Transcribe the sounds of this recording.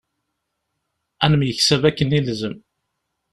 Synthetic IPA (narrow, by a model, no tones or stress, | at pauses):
ænəmjəçsævækːənilzəm